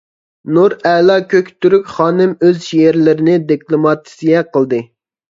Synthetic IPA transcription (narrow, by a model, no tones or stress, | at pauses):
nuɾɛlˠɑkʲʰøkʲt̪yɾykʲχɑːnɨmøzʃijeɾlɪɾɪnɪd̪iklˠomɑt̪ʰi̥sijʲɛqʰəlˠd̪ɨ